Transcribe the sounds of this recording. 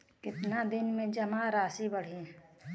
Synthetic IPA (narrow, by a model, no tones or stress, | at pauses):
kɪt̪nad̪ɪnmẽd͡ʒəmaɾaːsibəɽ̤i